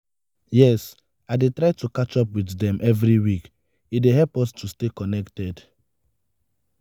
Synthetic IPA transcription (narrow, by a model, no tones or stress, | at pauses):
jɛs | aɪdetɹaɪtukat͡ʃɔpwiθdɛ̃mʔɛvɹiwik | ideɦɛlpɔstʰustekɔnɛktɛd